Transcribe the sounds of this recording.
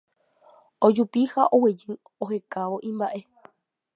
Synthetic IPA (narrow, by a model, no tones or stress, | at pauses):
od͡ʒupihaʔowed͡ʒɨ | ohe̞kaʋo̞ʔĩmbaʔe̞